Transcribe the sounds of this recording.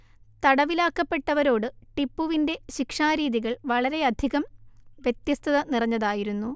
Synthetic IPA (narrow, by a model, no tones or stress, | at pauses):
t̪ɐɽɐʋilaːkːɐpːe̞ʈːɐʋɐɾo̞ːɽɨʈipːuʋinde̞ɕikʂaːɾiːðiɣɐɭʋɐɭɐɾe̞ɐd̪ʱiɣɐmʋje̞t̪jɐst̪ʰɐðɐnirɐɲːɐðaːjiɾunːu